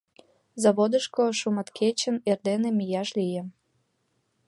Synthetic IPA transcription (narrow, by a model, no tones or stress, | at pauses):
zɑβod̪əʃkoʃumɑt̪kʰet͡ɕənerd̪enemijɑʃlijĕ